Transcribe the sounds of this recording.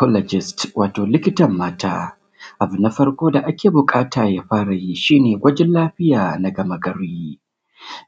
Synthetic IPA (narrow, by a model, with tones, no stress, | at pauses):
kɔ˦lɔ˨d͡ʒɪ˨stwʔaː˨toː˨lɪ˦kʲɪ˦tɐ˨mːaː˦tʰa̰ː˦ | ʔa˨bʊ˨nːa˦ɸɐ˦rkʷoː˦da˨ʔa˦kʲeː˨bʊ˨kʼaː˦tʰaː˨jaː˦ɸaː˦ɽa˨ji˦ʃiː˦neː˨ɡʷɐ˦d͡ʒɛ˦nlaː˦ɸɪ˦jaː˨na˨ɡɐ˨ma˨ɡɐ˦ɾiː˦